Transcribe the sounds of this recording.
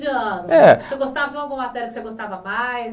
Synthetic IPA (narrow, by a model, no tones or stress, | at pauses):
iɐ̃nʊɛseɡost̪avɐd͡ʒɪũmɐɡũɐ̃mat̪ɛɾɐkɪseɡost̪avɐmaj